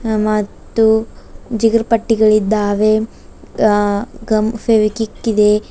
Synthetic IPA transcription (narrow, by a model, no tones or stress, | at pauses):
mɐt̪ːud͡ʒiɡɾɐpɐʈːiɡɐɭid̪ːaːʋe | ɡɐmfeʋikikːid̪e